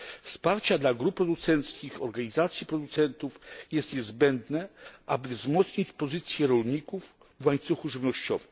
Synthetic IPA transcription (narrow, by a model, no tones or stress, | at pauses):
fspaɾt͡ɕad̪laɡɾupːɾɔd̪ut̪sɛnt̪skʲixɔɾɡaɲizat̪sʲjipɾɔd̪ut̪sɛnt̪ufjɛst̪ɲɛzbɛnd̪nɛʔabɘvzmɔt̪sɲit͡ɕpɔzɘt̪sʲjɛɾɔlɲikuf | vwaɲt̪suxuʐɘvnɔɕt͡ɕɔvɘm